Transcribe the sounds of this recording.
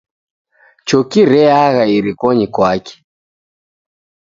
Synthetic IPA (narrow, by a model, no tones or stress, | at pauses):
t͡ʃɔkiɾɛaɣaiɾikɔɲikwakɛ̥